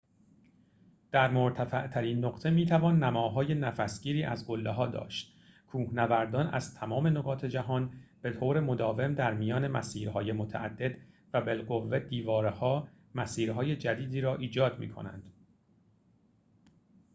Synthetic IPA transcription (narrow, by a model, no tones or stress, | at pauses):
d̪̥æɾmoɾt̪ʰæfæʔt̪ʰæɾiːnːoɢ̥t̪ʰe̞miːt̪ʰævɒːnːæmɒːɦɒːje̞næfæsɡ̥iːɾiːʔæzɡo̞lːeɦɒːd̪ɒ̰ːʃt̪ | kʰuːhnævæɾd̪ɒːnʔæ̰zt̪ʰæmɒːme̞noɡɒːt̪ʰe̞d͡ʒæɦɒːnb̥e̞t̪ʰoːɾe̞mo̞d̪ɒːve̞md̪æɾmijɒːne̞mæsiːɾhɒːje̞mot̪ʰæ̰ʔæ̰d̪ːe̞d̪ | væbe̞lɢo̞vːe̞d̪iːvɒːɾehɒː | mæsiːɾɦɒːje̞d͡ʒæd̪iːd̪iːɾɒːʔiːd͡ʒɒːd̪mḭːkʰo̞̰næ̰nd̪̥